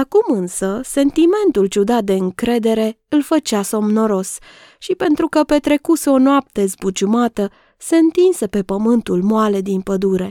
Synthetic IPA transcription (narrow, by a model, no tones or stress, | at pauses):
akumɨnsəse̞nt̪ime̞nt̪ult͡ʃud̪at̪̚d̪e̞ɨŋkɾe̞d̪e̞ɾe̞ɨlfət͡ʃaso̞mno̞ɾo̞s | ʃipe̞nt̪ɾukəpe̞t̪ɾe̞kuseo̞noap̚t̪e̞zbut͡ʃumat̪ə | se̞ɨnt̪insepe̞pəmɨnt̪ulmoale̞d̪inpəd̪uɾe̞